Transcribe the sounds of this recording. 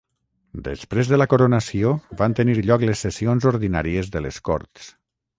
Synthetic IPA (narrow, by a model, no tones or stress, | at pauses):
d̪ə̰spɾezðələkoɾonəsioβant̪əniɾʎɔkləsːesionzoɾðina̰ɾiəzðələskɔ̰ɾt̪s